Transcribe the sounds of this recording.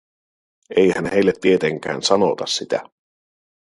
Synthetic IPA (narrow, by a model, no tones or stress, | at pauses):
ʔejhænhe̞ilːet̪ːiet̪eŋk̟æ̰ːnsɑno̰t̪ɑsːit̪æ̰